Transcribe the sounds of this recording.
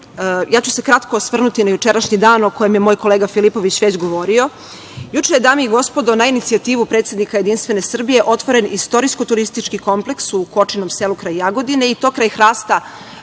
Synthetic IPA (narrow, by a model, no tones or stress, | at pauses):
jaːt͡ɕu̥se̞kɾat̪ko̞sʋr̩nut̪inajut͡ʂeɾaʃɲid̪aːnokoje̞mjemoːjkoleːɡafilipo̞ʋit͡ɕʋe̞t͡ɕɡo̞ʋo̞ɾio̞ | jut͡ʂejed̪amiiɡo̞spo̞d̪o̞nainit̪siat̪iːʋupɾet̪sjed̪nikajed̪inst̪ʋe̞ne̞sr̩bije̞ʔo̞t̪ʋo̞ɾe̞nist̪o̞ɾisko̞t̪uɾist̪it͡ʂkiko̞mpleksuko̞t͡ʂinomselukɾajjaɡo̞d̪ine̞it̪o̞ːkɾajxɾaːst̪a